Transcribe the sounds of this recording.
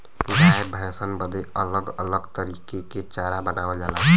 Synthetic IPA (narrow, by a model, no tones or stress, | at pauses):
isaebʱəjsənbəd̪eələɡələɡt̪əɾikeket͡ʃaɾabənawed͡ʒala